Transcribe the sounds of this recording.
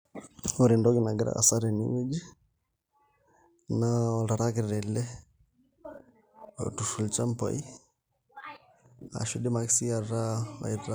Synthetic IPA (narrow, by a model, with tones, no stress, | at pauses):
o˨ɾi˨ndɔ˦ɡi˦na˨ɡi˦ɾa̰˦ʔa̰˨sa˦ɾɛ˨nḭ˦wɛ˦d͡ʒi˦ | na˦a˨la˨ɾa˦ki˨ɾɛ˨lɛ˦ | o̰˨tu˨ʃu˨lt͡ʃa˦mpa̰˨i˦ | a̰˨ʃu˦ɗi˦ma˨ki̥˦si˦a˨ɾa˦a̰˨i˨ɾa˦